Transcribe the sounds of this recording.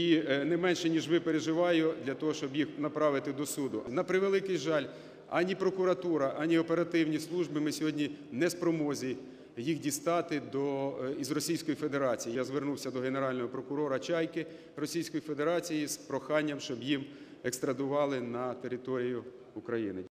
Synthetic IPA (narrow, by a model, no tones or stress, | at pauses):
inɛmɛnʃɛnʲiʒʋɪpeɾeʒɪʋɑjʊd̪lʲɐt̪ɔɦɔʃt͡ʃɔbjixnɐpɾɑʋɪt̪ɪd̪ɔsud̪ʊʔnɐpɾɪʋelˠɪkɪjʒɑlʲ | ɐ̰nʲipɾɔkʊɾɐt̪uɾɐʔɐnʲiɔpe̞ɾɐt̪ɪwnʲislˠuʒbɪmɪsʲɔɦɔdʲnʲi | nɛspɾɔmɔzʲij | jixdʲist̪ɑt̪ɪd̪ɔizrɔsʲijsʲkɔjife̞d̪eɾɑt͡sʲijijazʋernuwsʲɐd̪ɔɦeneɾɑlʲnɔɦɔpɾɔkʊɾɔɾɐt͡ʃɑjkɪ | rɔsʲijsʲkɔjife̞d̪eɾɑt͡sʲijispɾɔxɑnʲːɐmʃt͡ʃɔbjim | ekst̪ɾɐd̪ʊʋɑlˠɪnɐt̪eɾʲɪt̪ɔɾʲijʊ | ʊkɾɐjinɪ